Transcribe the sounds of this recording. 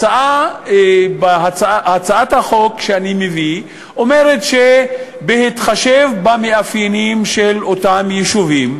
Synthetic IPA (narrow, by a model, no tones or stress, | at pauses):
t͡saʔa | baat͡sahat͡saathaχo̞kʃeanimevi | o̞me̞ʁetʃe | behitχaʃe̞vbameafjenimʃelotamjeʃuvim